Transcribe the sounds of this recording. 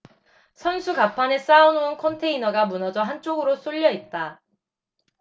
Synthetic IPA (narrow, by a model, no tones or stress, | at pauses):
sʰʌnsʰuɡapʰane̞s͈aunoɯnkʰʌntʰe̞inʌɡamunʌd͡ʑʌɦant͡ɕ͈oɡɯɾos͈oʎːʌit̚t͈a